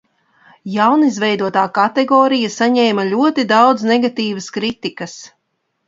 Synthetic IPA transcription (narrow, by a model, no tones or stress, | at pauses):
jawnizvʲɛjd̪uɔt̪aːkat̪ɛɡɔːɾijasaɲɛːmɐʎʲuɔt̪id̪awd̪znɛɡat̪iːvɐskɾit̪ikɐs